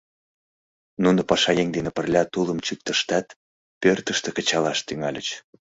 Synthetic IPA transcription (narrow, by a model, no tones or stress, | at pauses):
nunopɑʃɑjeŋd̪enĕpərlʲɑt̪uləmt͡ɕyk̚t̪əʃt̪ɑt̪ | pørt̪əʃt̪ekə̆t͡ɕɑlɑʃt̪yŋɑlʲə̰t͡ɕ